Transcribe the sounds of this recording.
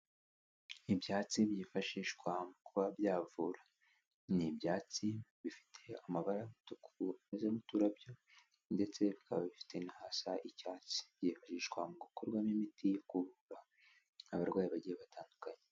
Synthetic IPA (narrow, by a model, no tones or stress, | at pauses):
ibjaːt͡sibjiːfaʃiːʃkwamukuβabjaːvuːɾa | nibjaːt͡siβifi̥tʰe̞amaβaɾajmutukʰuamezemutuɾabjo̞ | nde̞t͡se̞βikaβaβifi̥tʰe̞nahasaʔicaːt͡si̥b̥jiːfaʃiːʃkwamuɡukoɾɡwamimitʰikuβuβaː | βaɾɡwaːjiβaɟijeβatʰaːndukaɲe